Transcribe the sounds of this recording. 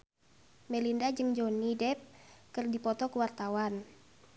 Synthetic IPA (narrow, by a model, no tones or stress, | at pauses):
mɛlindad͡ʒɨŋd͡ʒɔnːidɛp̚kɨrdipɔt̪ɔkuwart̪awan